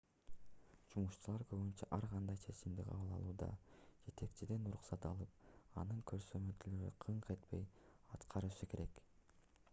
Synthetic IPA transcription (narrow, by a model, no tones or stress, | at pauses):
d͡ʒumuʃt͡ʃulˠɑɾkøβynt͡ʃæʔɑɾʁɑnd̪ɑjt͡ʃʰe̞t͡ʃimd̪iqʰɑ̰βɯlˠɑ̰lˠuːd̪ɑ̰d͡ʒe̞t̪e̞kt͡ʃid̪e̞nuɾuqsɑt̪ɑlˠɯp̚ɑnɯŋkʰøɾsømøt̪ʰyløɾy̰qʰɯɴqe̞t̪pe̞̰j | ɑt̪qʰɑɾɯʃɯke̞ɾe̞k